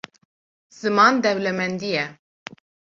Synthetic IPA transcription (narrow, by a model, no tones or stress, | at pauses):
z̥ɨmɑːnd̪ɛwlɛmɛnd̪ijɛ